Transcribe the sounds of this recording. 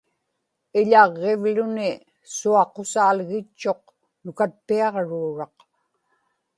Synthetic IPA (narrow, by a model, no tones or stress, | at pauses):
ɪʎɑʁːevlʊnɪ | suɑqosaːlɣɪt͡ʃːo̞q | nʊkat̪̚piɑʁɻuːɻɑq